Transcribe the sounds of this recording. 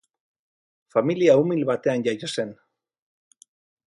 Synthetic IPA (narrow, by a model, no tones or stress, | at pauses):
familiaumilβat̪e̞anʝajose̞n